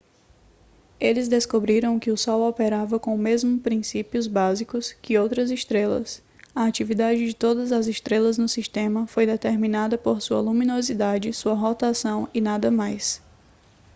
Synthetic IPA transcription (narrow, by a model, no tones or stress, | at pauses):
elɪzd̪eskobɾiɾɐ̃w̃kɪʊsɔwɔpeɾavɐkõmezmʊpɾĩsipiʊzbazikʊskɪowt̪ɾɐzɪʃt̪ɾelɐ̰s | ɐat͡ʃivid̪ad͡ʒɪd͡ʒɪt̪od̪ɐzɐzɪʃt̪ɾelɐznʊsiʃt̪ẽmɐfojd̪et̪eɾmĩnad̪ɐpoɾsuɐlumĩnozid̪ad͡ʒɪsuɐɦot̪asɐ̃w̃ɪnad̪ɐmajs